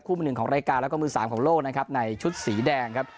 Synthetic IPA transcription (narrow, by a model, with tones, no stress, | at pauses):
p̚kʰu˥˩mː˧nɯ˨˩ŋkʰːɾaː˧jkaː˧nlɛ˦˥wkːmɯː˧˩saː˩˦mkʰɔː˩˦ŋloː˥˩k̚na˦˥kʰa˦˥p̚na˧jt͡ɕʰu˦˥t̪̚siː˩˦dɛː˧ŋkʰa˦˥p̚